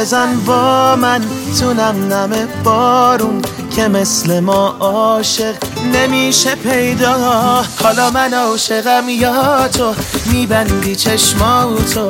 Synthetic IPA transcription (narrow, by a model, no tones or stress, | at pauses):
ezænbɒːmæn | t̪ʰunæmnæmeb̥ɒːɾun | kʰeme̞slemɒːʔɒːʃe̞ɢne̞miːʃepʰejd̪ɒːhɒːlɒːmænɒːʃe̞ɣæmjɒːt̪ʰomiːbænd̪iːt͡ʃʰeʃmɒːut̪ʰo